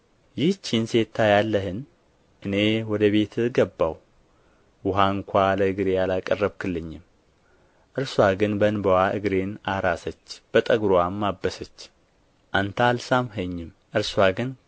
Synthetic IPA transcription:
jɪht͡ʃːinse̞t̪ʰːajalːəɦɨn | ʔɨne̞wɔd̪əβe̞t̪ʰɨɡəbːaw | wʊɦaŋkʷʰaləɨɡɨɾejalakʼərːəβkʰɨlːɨɲːɪm | ʔɨɾswaɡɨnbənbəwaʔɨɡɾenaɾasət͡ʃːb̥ət̪ʼəɡɾoamːabːəsət͡ʃː | ʔant̪ʰalsamɦəɲːɪm | ʔɨɾswaɡɨn

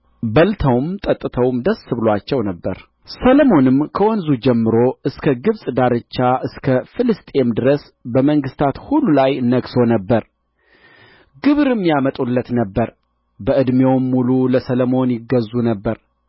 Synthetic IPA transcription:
bəlt̪ʰəwmt̪ʼət̪ʼːɨt̪ʰəwmd̪əsːɨβlwat͡ʃːɛwnəbːəɾ | sələmo̞nɨmkʰəwɔnzud͡ʒɛmːɨɾo̞ɨskʰəɡɨβsʼd̪aɾɨt͡ʃːaʔɨskʰəfɨlɨst̪ʼe̞md̪ɨɾəs | bəməŋɡɨst̪ʰat̪hulːulajnːəɡso̞nəbːəɾ | ɡɨβɾɨmːjamət̪ʼulːət̪nəbːəɾ | bəʔɨd̪mewmːululəsələmo̞njɪɡːəzːunəbːəɾ

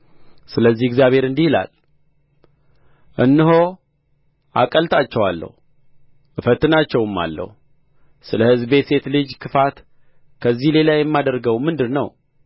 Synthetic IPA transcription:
sɨləzːihɪɡzjaβhe̞ɾɨnd̪ihila̰l | ʔɨnːɨɦo | ʔa̰kʼəlt̪ʼat͡ʃːɛwalːə̰hu | ʔɨfət̪ːɨnat͡ʃːɛwɨmːa̰lːə̰hu | sɨləhɨzbe̞t̪se̞t̪lɨd͡ʒkʰɨfat̪ | kʰəzːihle̞lajɛmːad̪əɾɡəwmɨnd̪ɨnnːə̰w

